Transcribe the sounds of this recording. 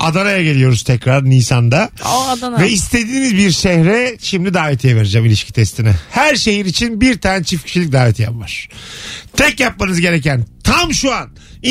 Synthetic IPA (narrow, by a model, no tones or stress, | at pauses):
ad̪anajaɟe̞lʲijo̞ɾuzt̪ʰɛcɾaɾniːsand̪a | vɛist̪ʰe̞d̪iːmizbiɾʃɛhɾɛʃimd̪ʲid̪aːvɛt̪ʰijɛve̞ɾed͡ʒamilʲiʃcʰi̥t̪ʰɛst̪ʰinɛhæɾʃe̞ɦiɾit͡ʃʰinbiɾt̪ʰaːnɛt͡ʃʰifcʰi̥ʃilʲic̚d̪aːvɛt̪ʰija̰pmaɾ̥t̪ʰɛcjap̚manɯzɟe̞ɾecænt̪ʰamʃuan